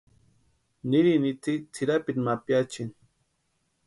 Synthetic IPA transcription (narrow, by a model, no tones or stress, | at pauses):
niɾinit̪it͡sʰiɾapinmapjat͡ʃin